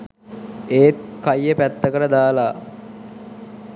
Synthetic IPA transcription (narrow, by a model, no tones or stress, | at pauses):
eːt̪̚kajːəpæt̪ːəkəɾəd̪aːla